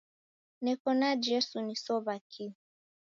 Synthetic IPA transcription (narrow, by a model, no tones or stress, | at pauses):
nɛkɔnad͡ʒɛsunisɔβakʰi